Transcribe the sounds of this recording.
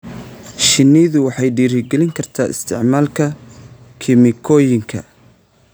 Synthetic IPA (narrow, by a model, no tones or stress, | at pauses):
ʃɪnːɪðʊwɑħɑjɖiːɾɪɡɛlɪŋkʰɐrt̪ʰaːʔɪ̰st̪ʰɪ̰ʕmaːlkʰɐ | kʰɪmɪkʰɔːjɪŋkʰɐ̰